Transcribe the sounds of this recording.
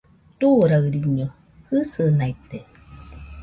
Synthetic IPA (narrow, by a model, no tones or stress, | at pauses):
t̪uɾaɯɾiɲo | hɨsɯnait̪e